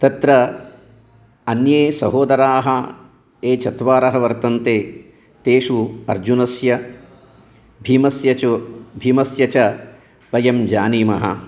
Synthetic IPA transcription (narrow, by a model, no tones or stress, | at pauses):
t̪ɐt̪ɾɐ | ɐnjeːsɐ̰ɦoːd̪ɐɾaːɦɐ | eːt͡ʃʰɐt̪ʋaːɾɐɦɐʋɐɾt̪ɐnt̪eː | t̪eːʂuɐ̰ɾd͡ʒunɐsjɐ | bʱiːmɐsjɐubʱiːmɐsjɐt͡ʃɐ | ʋɐjɐmd͡ʒaːniːmɐɦɐ̰